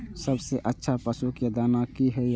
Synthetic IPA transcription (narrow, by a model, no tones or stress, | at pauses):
səbseʔətːʃʰapəsuked̪aːnakiɦɛ